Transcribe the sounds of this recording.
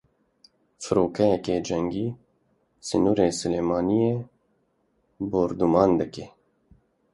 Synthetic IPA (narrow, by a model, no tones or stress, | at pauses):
fɨɾoːkʰɛjɛkeːd͡ʒɛŋɡiː | sɨnuːɾeːsɨleːmɑːnijeː | boːɾd̪umɑːnd̪ɨkeː